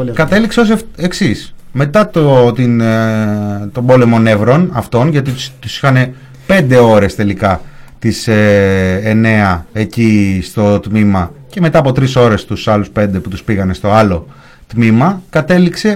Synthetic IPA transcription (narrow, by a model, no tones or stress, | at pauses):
kɐt̪e̞likseo̞s̬eksisme̞t̪ɐt̪ot̪in | t̪o̞bo̞le̞mo̞ne̞vɾo̞nɐft̪o̞nʝɐt̪it̪usi̥xɐne̞ | pe̞nd̪e̞o̞ɾe̞st̪e̞likɐt̪iseː | ne̞ɐe̞cist̪o̞t̪mimɐce̞me̞t̪ɐpo̞t̪ɾiso̞ɾe̞st̪usɐluspe̞nd̪e̞put̪uspiɣɐne̞st̪o̞ɐlo̞ | t̪mimɐkɐt̪e̞likse̞